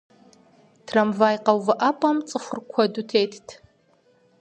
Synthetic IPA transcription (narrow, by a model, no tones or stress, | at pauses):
tʰrɐmvaːjqɐwvɐʔɐpʼɐmt͡sʼɨfɨrkʷʰɔdutʰeːjtʰtʰ